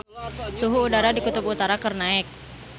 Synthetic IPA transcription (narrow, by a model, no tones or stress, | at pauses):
suɦuːdaɾadikut̪ubut̪aɾakərnaɛk̚